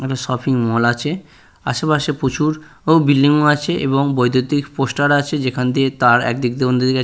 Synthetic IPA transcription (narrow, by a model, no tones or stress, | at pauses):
eʈaʃɔpʰiŋmɔlat͡ɕʰe | a̰ʃepaʃepot͡ɕʰuɾ | owbilːiŋoat͡ɕʰeʔeβoŋbojd̪ʱot̪ikposʈaɾat͡ɕʰed͡ʑekʰand̪iet̪aɾɛ̰k̚d̪ik̚d̪eond̪od̪ika